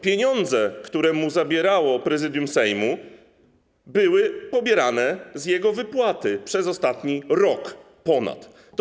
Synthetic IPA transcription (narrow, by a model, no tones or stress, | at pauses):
pʲjeɲɔnd̪zɛkt̪uɾɛmuzabʲjɛɾawɔpɾɛzɘd̪ʲjumsɛjmu | bɘwɘpɔbʲjɛɾanɛzjɛɡɔvɘpwat̪ɘpʂɛzɔst̪at̪ɲiɾɔk | pɔna̰t̪ː